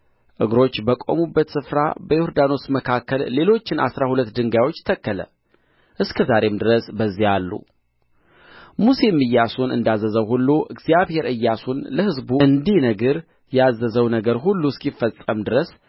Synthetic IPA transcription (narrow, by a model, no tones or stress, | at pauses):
ʔɨɡɾo̞t͡ʃːbəkʼo̞̰mubːət̪sɨfɾa̰bəjoɾd̪ano̞sməkʰakːəlːe̞lo̞t͡ʃːɪna̰sɾahulət̪ːd̪ɨŋɡawo̞t͡ʃːt̪ʰəkːələ̰ | ʔɨskʰəzaɾe̞md̪ɨɾəsbəzːijalːṵ | muse̞mːɨjːasunɨ̰nd̪azːəzəwhulːuʔɨɡzijaβhe̞ɾɨjːasunləhɨzbuɨnd̪ihnəɡəɾ | jazːəzəwnəɡəɾɦulːuskifːəsʼəmd̪ɨɾəs